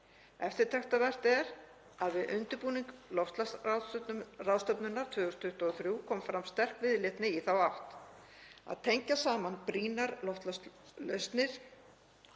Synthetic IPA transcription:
ɛft̪ɪɾt̪ʰɛxt̪avɛr̥t̪ɛɾ | aðvɪðʔʏnt̪ʏɾpuːniŋklɔwft̪la | rawðst̪œpnʏnːaɾ̥t̪ʰvʏːɣʏst̪ʰʏht̪ɔθɾjuːkʰɔːmfɾamst̪ɛr̥kvɪðlɪht̪nɪiθawawht̪ | a̰ðt̪ʰejɲcasaːmanpɾiːnaɾlɔft̪lslœst̪nɪɾ̥

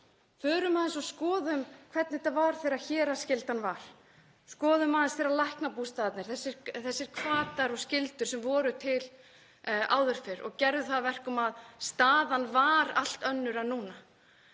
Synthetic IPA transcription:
fœːɾʏmaːðɪnsɔskɔːðʏmkʰv̥ɛt̪nɪt̪avaɾ̥θeɾaçɛːɾascɪlt̪anvaɾ̥ | skɔːðʏmaːðɪnsθeːɾalahknapust̪aːt̪nɪɾ̥θɛsːɪɾθɛsːɪɾ̥kʰvaːt̪aɾɔɣscɪlt̪ʏɾ̥sɛmvɔːɾʏt̪ʰɪl | a̰ːwðʏɾ̥fɪɾɔ̰ɣcɛɾðʏθaðvɛr̥kʏmaðst̪aːðanvaːɾal̥t̪œnːʏɾaðnuːna

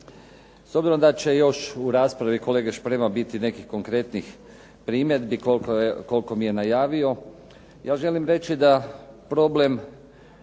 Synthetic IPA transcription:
sobziɾomd̪at͡ʃe̞jo̞ʃuɾaːspɾaʋiko̞leːɡeʃpɾemabit̪ine̞kixko̞ŋkɾe̞t̪nix | pɾiːmjed̪biklko̞lko̞mije̞najaːʋio̞ | jaːʒe̞limɾe̞t͡ʃid̪apɾo̞ble̞m

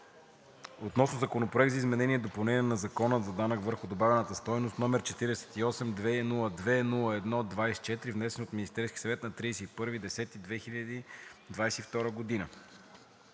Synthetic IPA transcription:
ot̪nɔsnozɐkonopɾoɛk̚t̪zɐizmɛnɛniɛd̪opɐlˠnɛniɛnɐzɐkɔnəzɐd̪anəkvəɾxʊd̪obavɛnət̪əst̪ɔjnost̪nɔmɛɾt͡ʃɛt̪iɾɛsɛ̥t̪iɔsɛmd̪vɛnulˠəd̪vɛnulˠəɛd̪nɔd̪vajsɛ̥t͡ʃɛt̪ɾivnɛsɛnot̪minist̪ɛɾskʲi̥sɐvɛt̪nɐt̪ɾisɛipɤɾvid̪ɛsɛt̪id̪vɛxiʎʲəd̪id̪vajsɛift̪ɔɾəɡod̪inə

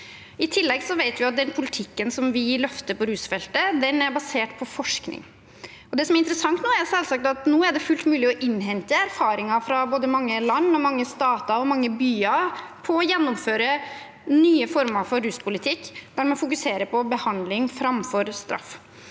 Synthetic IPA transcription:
ɪt̪ʰɪlːɛɡsɔʋæɪt̪ʋɪɑt̪̚d̪ɛnpʰʊlɪt̪ʰɪkːənsɔmʋɪlœft̪əpɔɾʉːsfɛlt̪əd̪ɛnæɾbɑseːʈpʰɔfɔʂknɪ̰ŋ | ɔd̪ɛsɔmɛæɾɪnt̪əɾəsɑŋt̪noːæɾsɛlsɑk̚t̪ɑt̪noːæɖɛfʉlt̪mʉːlɪɔʔɪnːɦɛnt̪əæɾfɑːɾɪŋɑfɾɑboːd̪əmɑŋːəlɑnːɔmɑŋːəst̪ɑːt̪ɑɔmɑŋːəbyːɑpʰɔɔjɛnːʊmføːɾə | nyːəfɔɾməɾfɔɾːʉːspʰʊlɪt̪ʰɪkːd̪̥æɾmɛnfʊk̬ʉseːɾəpʰɔbəhɑnd̪lɪŋfɾɑmfɔɾst̪ɾɑ̰f

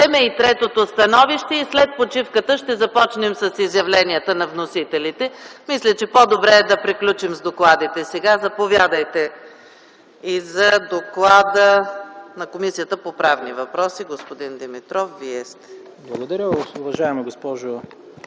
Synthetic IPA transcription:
ɛmɛit̪ɾɛt̪ot̪ost̪ɐnɔviʃt̪ɛislɛt̪̚pot͡ʃifkət̪əʃt̪ɛzɐpɔt͡ʃnɛmsɐsizjɐvlɛniət̪ənɐvnosit̪ɛlit̪ɛmislʲɐt͡ʃɛpod̪obɾɛːd̪ɐpɾiklʲut͡ʃimzd̪oklˠad̪it̪ɛsɛɡazɐpovʲjad̪əjt̪ɛ | izɐd̪oklˠad̪ənɐkomisijət̪əpopɾavnivɐpɾɔsiɡospod̪ind̪ɛmit̪ɾɔfviɛst̪ɛ̥ | blˠɐɡod̪ɐɾʲəʊvɐʒaɛmɛɡospɔʒo

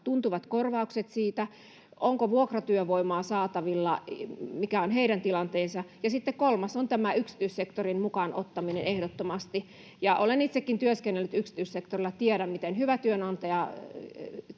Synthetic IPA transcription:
t̪unt̪uʋɑt̪korʋɑukset̪siːt̪æ | oŋkoʋuokrɑt̪yøʋoimɑːsɑːt̪ɑʋilːɑmikæonheiɾænt̪ilɑnt̪eːsɑjɑsit̪ːekkolmɑsont̪æmæyksi̥t̪yˑissekt̪orinmukɑnʔot̪ːɑminenehdot̪ːomɑst̪i | jɑʔolenit̪sekːint̪yøskenːelːyt̪yksi̥t̪yˑissekt̪orilːˑɑt̪ieɾæmmit̪enhyʋæt̪yønɑnt̪ɑjɑ

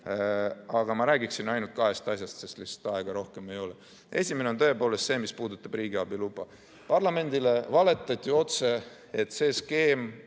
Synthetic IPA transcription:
ɑɡ̥ɑmɑɾæːɡiksinɑjnult̪̚kɑɦe̞st̪ɑsjɑst̪seslist̪ɑeɡ̥ɑɾo̞hke̞me̞jo̞le | e̞sʲime̞neont̪ø̞epo̞ːle̞st̪se̞ːmispuːd̪ut̪ːˑɑb̥riːɡiɑb̥ilubɑ | pɑrlɑme̞nʲd̪̥ile̞vɑle̞t̪ːˑɑt̪ʲːˑio̞t̪se̞ | et̪se̞ːske̞ːm

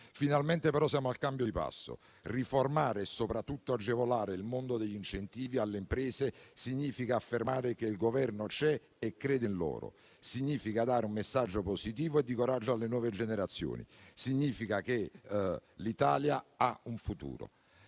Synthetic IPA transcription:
finalmɛnt̪epeɾɔsjaːmoalkambjod̪ipa̰sːo̰ | riformaːɾeːsːopɾat̪ːut̪ːoad͡ʒːevolaːɾeilmond̪od̪eʎːint͡ʃent̪iːvialːempɾɛːsesiɲːiːfikaːfːermaːɾekeilɡovɛrnot͡ʃɛ | ɛkːɾeːd̪enlɔ̰ːɾo̰ | siɲːiːfikad̪aːɾeumːesːad͡ʒːoposit̪iːvoed̪ːikoɾad͡ʒːoalːenwɔːved͡ʒeneɾat̪sːjo̰ːnḭsiɲːiːfikake | lit̪aːljaauɱfut̪ṵːɾo̰

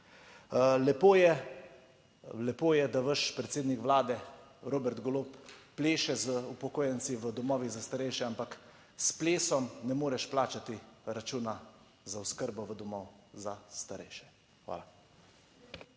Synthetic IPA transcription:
lɛpoːjɛ | lɛpoːjɛd̪aʋəʃpɾɛt̪seːd̪nikʋlaːd̪ɛ | ɾoːbɛɾt̪ɡɔloːpː | leːʃɛzəupɔkoːjɛnt̪siʋəd̪ɔmɔːʋizast̪aɾɛjʃɛampak | spleːsɔmnɛmoːɾɛʃplaːt͡ʃat̪iɾat͡ʃuːna | zawskəɾbɔʋəd̪ɔmɔːwzast̪aɾɛ̰jʃɛ̥ | xʋa̰ːla

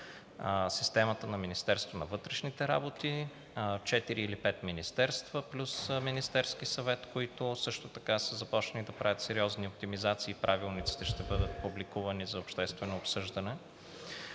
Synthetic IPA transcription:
si̥st̪ɛmət̪ənɐminist̪ɛɾst̪vonɐvɤt̪ɾɛʃnit̪ɛɾa̰bot̪i | t͡ʃɛt̪iɾiːlipɛt̪minist̪ɛɾst̪v̥əplʲusminist̪ɛɾsk̟isɐvɛt̪koit̪ʊsɤʃt̪ot̪ɐkasəzɐpɔt͡ʃnɐnid̪ɐpɾavʲət̪sɛɾiɔzniop̚t̪imizat̪siːpɾʔavilˠnit̪si̥t̪ɛʃt̪ɛbɤd̪ət̪̚publikuvɐnizɐopʃt̪ɛst̪vɛnoːpsɤʒd̪ənɛ

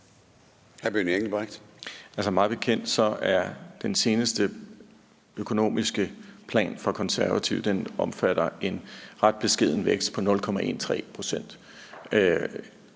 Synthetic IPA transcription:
hæb̥ynieɡd̥ib̥aɡ̥d̥ælsəmɑ̈ːðˠb̥e̝kʰen̰d̥sɒ̽æɐd̥ense̝ːnəsd̥ə | økʰo̝no̝̰ːmisɡ̥əpʰlɛ̰ːnfɑkʰɒ̽nsæɐʋæt͡sʰiʊ̰d̥enɒ̽mfæɾ̥ɐe̝nʁɑ̈d̥̚b̥e̝sɡ̥e̝ð̰ˠn̩ʋeɡ̥sd̥̚pʰɒ̽nɔ̽lkʰɒ̽mæʔe̝̰ːnt͡sʰʁɛ̰ːpʰʁo̝sen̰d̥

